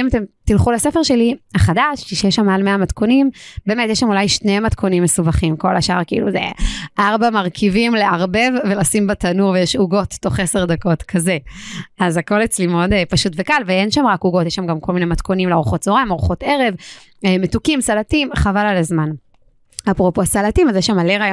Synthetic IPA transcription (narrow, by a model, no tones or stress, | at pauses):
imat̪e̞mt̪ilχulasefe̞ʁʃelihaχadaʃkiʃejeʃamalmeamatko̞nimbeːmetjeʃamulajʃnematkʰo̞nimːesubaχimkolaʃa̰ʁkiḭluzḛʔaʁbamaʁkʰivimleaʁbe̞vːe̞lasimbatanuʁvejeʃuɡo̞tːo̞χese̞ʁd̪ako̞tkʰaze̞azako̞let͡slimodepaʃutvekalveenʃamʁakuɡo̞tjeʃamɡamkolminejmatko̞nimleaʁuχo̞tz̥oʁaimaʁuχo̞te̞ʁe̞v | metukimsalatimχavalalazman | apʁopoasalatimazjeʃamaleʁaj